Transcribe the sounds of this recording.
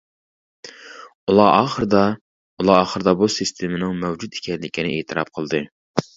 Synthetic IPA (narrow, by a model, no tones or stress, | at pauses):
ulˠɑʔɑːχəɾɨd̪ɑ | ulˠɑɑːχəɾɨd̪ɑbusɨst̪ʰemɪnɪŋmɛwd͡ʒut̪i̥kʲʰɛnlɪkʲinɪʔet̪ʰɨɾɑ̰p̚qʰəlˠd̪ɨ